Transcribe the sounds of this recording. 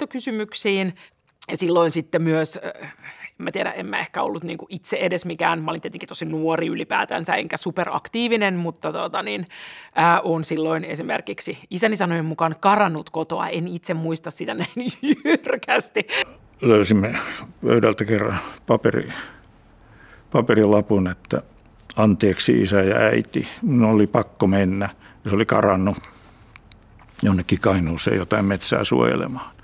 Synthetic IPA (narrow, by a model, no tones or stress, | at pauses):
t̪ːokysymyksiːn | silːoinsit̪ːemyøs | emːæt̪ieɾæ̰ʔemːæ̰ehkæo̰lːut̪nḭːŋkuʔit̪seʔedesmikæ̰ːnmɑolint̪iet̪eŋkit̪osinuoriylipæ̰ːt̪æ̰nsæḛŋkæsuperɑ̰kt̪iːʋinenmut̪ːɑt̪ot̪ɑninʔəːʔonsilːoinḛsimḛrkiksiisænːisɑnojemmukɑnkɑrɑnːut̪kot̪oɑ̰ʔenit̪semmuist̪ɑssit̪ænæinjjyrkæst̪i | løysimːepø̰yɾælt̪ækerːɑ̰npɑperḭ | pɑperilɑpunet̪ːæ̰ | ɑnt̪eːksḭḭsæjɑ̰æit̪iminolipɑkːomenːæjɑsolikɑ̰rɑnːu | jonːekːikɑinuːsḛːjot̪ɑimmet̪sæ̰ːsṵo̰jḛlḛmɑhːn